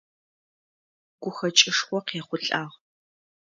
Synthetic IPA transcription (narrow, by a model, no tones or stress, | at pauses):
ɡ̥ʷʊxɐt͡ʃʼɪʂχʷɔqeːχʷʊɬʼaːʁ